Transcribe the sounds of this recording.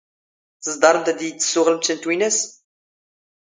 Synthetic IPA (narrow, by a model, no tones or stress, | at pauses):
θəzˤd̪ˤɑɾˤənt̪d̪jət͡sːə̥sːʊʁələmt̪ːənt̪winæs